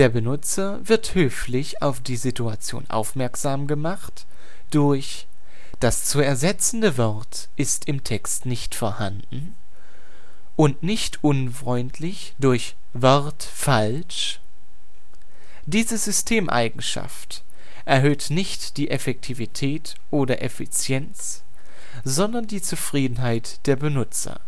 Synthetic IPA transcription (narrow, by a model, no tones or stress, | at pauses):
d̥eːɐbənʊt͡sɐ | vɪɐthøːflɪçaʊfd̥iːzituat͡sjo̰ːnʔa̰ʊfmɛɐkz̥aːmɡəmaχt | d̥ʊɐç | d̥ast͡suːɛɐzɛt͡sn̩dəvɔʁt | ʔɪstʰɪmtʰɛkstnɪçtfɔːɐhandn̩ | ʔʊntnɪçtʰʔʊnfʁ̥ɔʏntʰlɪç | d̥ʊɐç | vɔʁt | fal | ʃ | d̥iːzəzʏstʰeːmʔa̰ɪɡŋ̩ʃa̰ft | ʔɛɐɦøːtnɪçtd̥iːʔɛfɛk̚tʰivitʰɛːt | ʔoːdɐʔɛfit͡sjɛnt͡s | zɔndɐndiːt͡sufʁ̥iːdn̩ɦaɪtd̥eːɐbənʊt͡sɐ̰